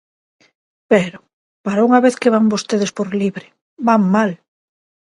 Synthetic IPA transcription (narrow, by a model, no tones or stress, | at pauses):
peɾo | paɾauŋaβeθkeβaŋbost̪eð̞espoɾliβɾɪ | baŋmal